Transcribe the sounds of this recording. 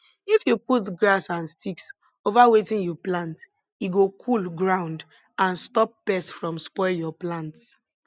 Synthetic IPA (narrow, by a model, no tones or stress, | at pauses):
ifjuputɡɹasãnstiks | ovawetĩnjɔplãnt | iɡokʰulɡɹãʊ̃nd | ãnstɔp̚b̥ɛstfɹɔ̃mspɔɪljɔplãnts